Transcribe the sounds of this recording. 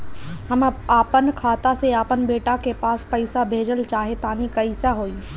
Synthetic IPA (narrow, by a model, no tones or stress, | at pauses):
ɦəmaːpənkʰaːt̪aseaːpənbeːʈakepaːspɐɪsabʱeːd͡ʒəlt͡ʃaːɦet̪aːnikɐisaɦoːiː